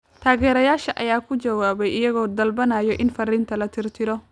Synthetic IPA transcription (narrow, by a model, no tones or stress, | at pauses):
t̪ʰaːɣɛːɾɐjaːʃɐʔɐ̰jaːkʰʊd͡ʒɐwaːβɛjʔɪjɐɣɔːd̪ɐlbɐnaːjɔʔɪnfɐriːnt̪ʰɐlɐt̪ʰɪrt̪ʰɪɾɔ